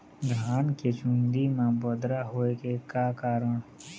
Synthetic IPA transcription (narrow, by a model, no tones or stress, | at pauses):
ɡʱaːnket͡ʃuĩnd̪imãbod̪ɾaɦoːekekakaːɾəɳ̃